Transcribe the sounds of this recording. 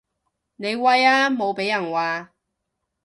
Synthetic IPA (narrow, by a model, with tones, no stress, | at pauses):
ne˨˧jwɐ˧jaː˥mo˨˧wpe˨˥jɐ˨˩nwaː˨˧